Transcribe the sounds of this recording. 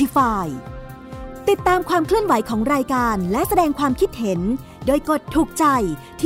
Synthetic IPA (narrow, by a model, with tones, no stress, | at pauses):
i˧faː˧j | t̪i˨˩t̪ːaː˧mkʰwaː˧mkʰlɯ˥˩ənwa˨˩˦jkʰɔː˩˦ŋɾaː˧jkaː˧nlɛ˦˥ʔsa˧dɛː˧ŋkʰwaː˧mkʰi˦˥t̪̚he˩˦n | doː˧jko˨˩t̪ʰːuː˨˩k̚t͡ɕa˧j | t̪ʰː